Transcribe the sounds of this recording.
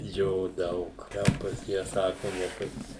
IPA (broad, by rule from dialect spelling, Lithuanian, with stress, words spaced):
ˈjoː ˈdɐʊk ˈtʲɛn ˈpɐs jiɛ ˈsɑːkʊ nʲɛ ˈpɐs